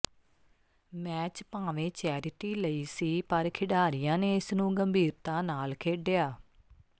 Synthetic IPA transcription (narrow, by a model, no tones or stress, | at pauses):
mɛːt͡ʃpãːʋẽːt͡ʃɛːɾɪʈiːləiːsiːpəɾkʰɪɖaːɾɪjãːneːɪsnũːɡəmbʱiːɾt̪ãːnaːlkʰeːɖejaː